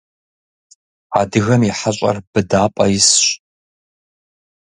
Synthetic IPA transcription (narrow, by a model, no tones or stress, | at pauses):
aːdɨɣɐmiħaɕʼɐ̰rb̥ɨdaːpʼɐjɪsɕ